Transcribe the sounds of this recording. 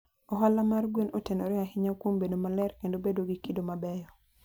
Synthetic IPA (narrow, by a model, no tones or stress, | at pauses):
ɔɦalamarɡwenʔotenoɾeaɦɪɲakwombedomalɛrkendobedoɡikidomabɛjɔ